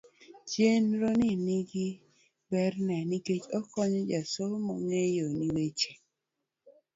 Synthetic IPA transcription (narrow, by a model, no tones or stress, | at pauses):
t͡ʃenɾoniniɡi | bɛɾnɛniket͡ʃɔkɔɲɔd͡ʒasomɔɲejoniwet͡ʃe